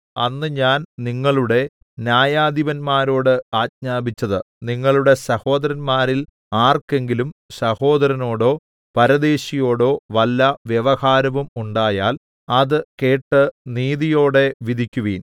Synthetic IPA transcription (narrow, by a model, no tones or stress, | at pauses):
ɐnːɨɲaːnniŋːɐɭuɽe̞ | njaːjaːd̪iʋɐnmaːɾo̞ːɽɨaːt̚ɲaːbit͡ɕːɐðɨ | niŋːɐɭuɽe̞sɐho̞ːd̪ɐɾɐnmaːɾil | aːrke̞ŋɡilumsɐho̞ːd̪ɐɾɐno̞ːɽo̞ː | pɐɾɐðe̞ːɕijo̞ːɽo̞ːʋɐlːɐʋjeʋɐhaːɾɐʋumuɳɖaːjaːl | ɐðɨke̞ːʈːɨniːðijo̞ːɽe̞ʋid̪ʱikʲːuʋiːn